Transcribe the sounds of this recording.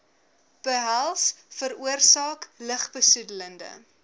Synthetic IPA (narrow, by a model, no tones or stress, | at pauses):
b̥əɦælˠs | fəɾuərsɑːkləχbəsudələndə̰